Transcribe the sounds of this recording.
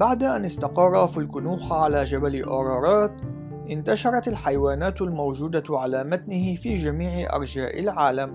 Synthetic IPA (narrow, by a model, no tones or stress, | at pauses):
baʕd̪aʔanɪst̪ɑqɑrˤːɑfɪlkʊnuːxʕalaːd͡ʒabalɪʔɑːɾˤɑːɾˤɑːt̪ | ʔɪnt̪aʃɑɾˤɑt̪alħajwaːnaːt̪lmowd͡ʒuːd̪aʕalaːmat̪nɪhɪfiːd͡ʒamiːʕɪʔɑ̰ɾˤd͡ʒaːʔɪ̰lʕaːlam